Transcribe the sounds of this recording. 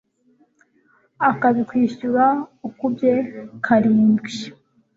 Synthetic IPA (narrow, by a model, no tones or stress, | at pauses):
akaβikwiːʃuɾaukubje̞kʰaɾiːmbɡi